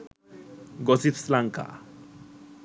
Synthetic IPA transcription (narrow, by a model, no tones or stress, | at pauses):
ɡɔsit̪slaŋka̰